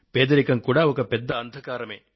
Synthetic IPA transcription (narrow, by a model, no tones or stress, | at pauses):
peːd̪ɐɾikɐŋkuɽaːokɐped̪ːɐːnd̪ʱɐkaːɾɐme